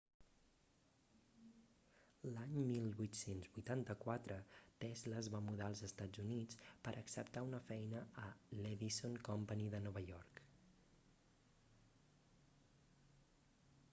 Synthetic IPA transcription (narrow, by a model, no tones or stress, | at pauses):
laɲmilˠβujt̪senzβujt̪ant̪əkwat̪ɾət̪ɛzləzβamuðaəlˠzəst̪ad͡zunit͡spəɾʔəksəpt̪aunəfɛjnəəlɛðisonkɔmpəniðənɔβəʎɔɾk